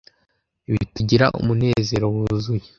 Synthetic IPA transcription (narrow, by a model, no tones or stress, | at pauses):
iβituɟiɾa̰ʔṵmune̞ːze̞ɾo̞wuzuje